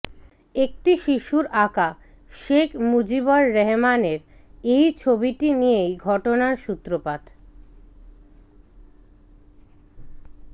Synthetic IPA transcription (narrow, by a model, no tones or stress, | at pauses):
ek̚ʈiʃiʃuɾaka | ʃekʰmud͡ʑibaɾːɛɦmaneɾejt͡ɕʰobiʈinijejɡʱɔʈonaɾʃut̪ɾopad̪